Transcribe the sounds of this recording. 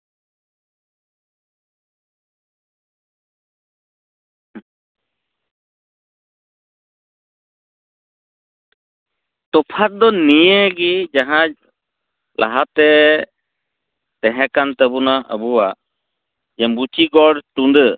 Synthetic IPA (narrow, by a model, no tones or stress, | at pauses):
t̪ɔpʰat̪̚d̪ɔnijəɡid͡ʒaɦãd͡ʒ̚ | lʔa̰ɦat̪ɛ | t̪ɛɦɛ̃kant̪əbunaə̰buwaʔ | d͡ʒɛmbut͡ʃiɡɔɽt̪und̪ə